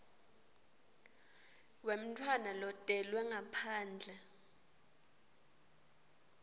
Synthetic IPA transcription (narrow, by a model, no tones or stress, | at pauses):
wem̩tʰwanalɔtʼɛlwɛŋapʰaːnd͡ɮʱɛ